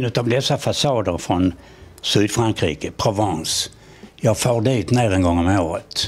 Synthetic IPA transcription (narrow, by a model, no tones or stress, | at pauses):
nɵt̪avd̪ɛsːafasɑːd̪əɾfɾɔn | sʉːd̪fɾaŋkɾḭːkəpʰɾʊvɑns | jɑːɡfoːɾɖ̪iːt̪neːɾɛnɡɔŋːɔmoːɾət̪